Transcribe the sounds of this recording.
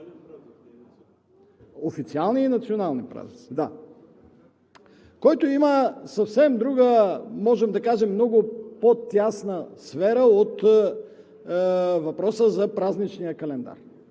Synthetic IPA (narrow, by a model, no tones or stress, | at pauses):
ofit̪sialˠniːnɐt̪sionalˠnipɾa̰znit̪id̪a | kɔjt̪oiməsɐfsɛmd̪ɾuɡəmɔʒɛmd̪ɐkaʒɛmːnɔɡʊpot̪ʲjasnəsfɛɾəot̪ | vɐpɾɔsəzɐpɾaznit͡ʃnijəkɐlɛnd̪a̰ɾ